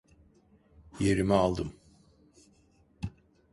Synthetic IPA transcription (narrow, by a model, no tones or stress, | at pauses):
je̞ɾimɛalˠd̪ɯm